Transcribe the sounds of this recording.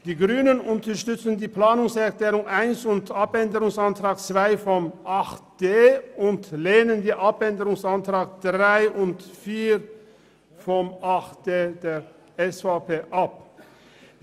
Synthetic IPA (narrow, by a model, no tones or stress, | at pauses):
d̥iːɡʁyːnənʊntɐʃtʏt͡sən̩diːplaːnʊŋsɛɐʁkleːʁʊŋʔaɪnsʊntapɛndəʁʊŋsantʁ̥aːk̚t͡sv̥aɪfɔmʔaχtd̥eːʊntleːnəndiːʔapɛndəʁʊŋsantʁ̥aːk̚d̥ʁaɪʔʊntfiːʁ | fɔmaχtd̥eːdeːʁ | ɛsfapʰeːʔap̚